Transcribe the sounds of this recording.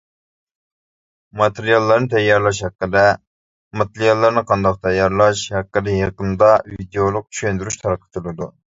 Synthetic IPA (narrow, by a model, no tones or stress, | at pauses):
mɑt̪ʰeɾijɑlˠːɑɾnɨt̪ʰɛjːɑɾlˠɑʃhɛqːəd̪ɛ | mɑt̪eɾjɑlˠːɑɾnɨqʰɑnd̪ɑq̚t̪ʰɛjːɑɾlˠɑʃhɛqːəd̪ɛjəqənd̪ɑvid̪ejolˠʊq̚t͡ʃʰy̥ʃønd̪yɾyʃt̪ʰɑɾqʰə̥t̪ʰulˠɨd̪u